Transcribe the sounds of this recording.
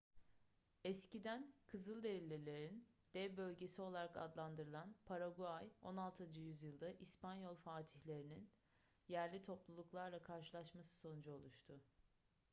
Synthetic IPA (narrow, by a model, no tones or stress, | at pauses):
ɛscid̪ænkʰɯzɯlˠd̪e̞ɾʲilʲːelʲe̞ɾin | d̪̥ɛvbø̞lʲɟe̞sio̞lˠaɾaka̰d̪lˠand̪ɯɾɯlˠanpʰaɾaɡuajo̞̰nalˠt̪ʰɯnd͡ʒɯjyzjɯlˠd̪aʔispanjo̞lˠfaːt̪ʰiçlʲe̞ɾinin | jæɾlʲit̪ʰo̞plˠulˠuklˠaɾlˠakʰaɾʃɯlˠaʃmasɯ̥so̞nd͡ʒo̞lˠuʃt̪ʰʊ